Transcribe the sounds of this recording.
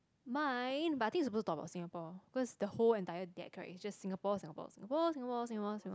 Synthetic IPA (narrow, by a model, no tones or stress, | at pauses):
mãjɪ̃nbataɪtĩŋitsupostutɔkəba̰ʊtsŋəpɔ̥ikɔsdəholɛ̃ntaɪədɛ̰t̚kʰəɹɛ̰sd͡ʒassĩŋəpɔsĩŋəpɔ̰sĩŋəpɔsĩŋəpɔsĩŋəpɔsĩŋ